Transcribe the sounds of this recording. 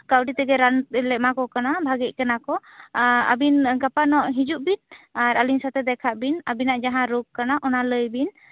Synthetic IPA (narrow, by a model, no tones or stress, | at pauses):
kawɖit̪ɛɡɛɾanlɛʔ̚makɔkanabʱaɡɛc̚ˀkanakɔ | ə̰binɡapanɔʔɦid͡ʒuʔbinaɾəlinsat̪ɛd̪ɛkʰaʔbinabinaʔd͡ʒaɦãɾuk̚kanaʔɔnaləjbin